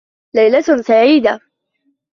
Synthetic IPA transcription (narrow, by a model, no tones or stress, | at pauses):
lajlasaʕiːd̪a